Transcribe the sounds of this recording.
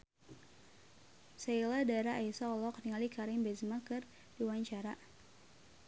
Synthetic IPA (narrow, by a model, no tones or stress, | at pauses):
sailadaɾaʔaisaɔlɔkniŋalikʰaɾɪmbɛzmakɨr | diwaɲt͡ʃaɾa